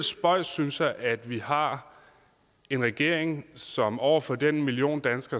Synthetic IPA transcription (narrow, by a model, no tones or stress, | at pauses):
sb̥ɒ̽ɪ̰synsjɑ̈ɪʔæd̥ʋihɑ̈ | e̝nʁɛɡ̥e̝ɐ̰eŋsɒ̽mɒʊɐfɒ̽d̥enmilio̝̰ːnd̥ænsɡ̥ɐ